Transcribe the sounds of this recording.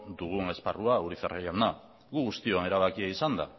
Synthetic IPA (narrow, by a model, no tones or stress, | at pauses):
d̪uɣ̞uŋe̞sparuauɾiθereʎana | ɣuɣust̪ioane̞ɾaβakiaisand̪a̰